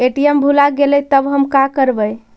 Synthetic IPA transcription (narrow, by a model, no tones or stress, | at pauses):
eʈijembʱulaɡelɛjt̪əbɦəmkakəɾbəj